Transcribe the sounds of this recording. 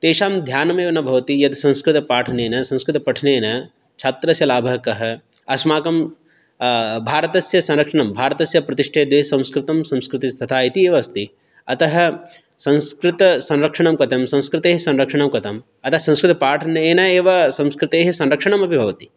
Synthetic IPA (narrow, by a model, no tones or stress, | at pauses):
t̪eːʃaːmd̪ʱjaːnɐmeːʋɐnɐbʱɐʋɐt̪ijɐt̪sɐ̃ñskɾɪt̪ɐpaːʈʰɐneːnɐsɐ̃wskɾɪt̪ɐpɐʈʰneːnɐ | t͡ʃʰaːt̪ɾɐsjɐlaːbʱɐɦɐkɐɦɐ̆ | ɐsmaːkɐm | bʱaːɾɐt̪ɐsjɐsɐ̃nɾɐkʂɐɳɐmbʱaːɾɐt̪ɐsjɐpɾɐt̪iʂʈʰeːd̪ʋeːɦsɐ̃mskɾɪt̪ɐmsɐ̃mskɾɪt̪ist̪ʰɐt̪ʰaːit̪ieːʋɐst̪i | ɐt̪ɐɦɐ̆ | sɐ̃nskɾɪt̪ɐsɐ̃nɾɐkʂɐɳɐmkɐt̪ʰɐmsɐ̃w̃skɾɪt̪eːɦɐsɐ̃nɾɐkʂɐɳɐmkɐt̪ʰɐm | ɐt̪ɐɦɐsɐ̃ñskɾɪt̪ɐpaːʈʰɐnɐeːnɐeːʋɐsɐ̃mskɾɪt̪eːɦɐsɐ̃nɾɐkʂɐɳɐmɐpibʱɐʋɐt̪i̥